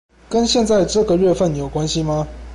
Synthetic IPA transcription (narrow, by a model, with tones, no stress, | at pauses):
kə˦nɕjɛ˥˧nt͡sa˥˧ɪʈ͡ʂɤ˥˩ɡə˨ɥɛ˥˧fə˥˨njo˨˩ʊkwa˦nɕi˧ma˧